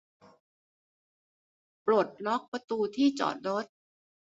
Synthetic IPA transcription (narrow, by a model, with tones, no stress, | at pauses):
pɾu˨˩t̪̚nɔ˦˥k̚pɾa˧t̪uː˧t̪ʰiː˥˩t͡ɕɔ̰ː˨˩t̪̚ɾo˦˥t̪̚